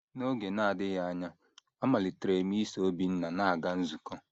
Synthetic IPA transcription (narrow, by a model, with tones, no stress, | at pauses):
no˦ɡe˨na˦a˨dɪ˦ɣa˦a˦ɲa˦ | a˦ma˨lɪ˨tɾe˨mi˦so˨˦bi˨˦n̩˦na˨na˦a˨ɡa˦n̩˦zu˨kɔ˦